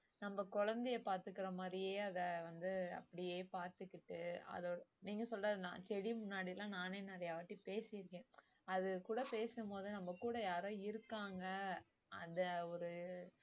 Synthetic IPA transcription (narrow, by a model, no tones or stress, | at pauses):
nɐmbɐkɔɻɐnd̪ɛjɐpaːɾt̪ɯkːɪɾɐmaːd̪ɾɪjeːɐðɐʋɐnd̪ɯɐ̰pːɐɽɪjeːpaːɾt̪ɯkːɪʈːɯɐ̰ðoːɽɐniːŋɡɐsɔlraːðnã̰ːt͡ʃɛɽimʊnːaːɽɪlãːnaːneːnɐɾɐjaːʋɐʈːipeːsɪjɪɾɯkːẽː | ɐðɯkuːɽɐpeːsɯmpoːðɯnɐmːɐkuːɽɐjaːɾõːɪɾɯkːaːŋɡɐ | ɐnd̪ɐɔɾɯ